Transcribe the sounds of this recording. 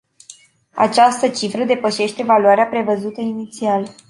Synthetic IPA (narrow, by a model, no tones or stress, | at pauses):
a̰t͡ʃast̪ət͡ʃifɾəd̪e̞pəʃe̞ʃt̪evaluaɾeapɾe̞vəzut̪əinit̪sial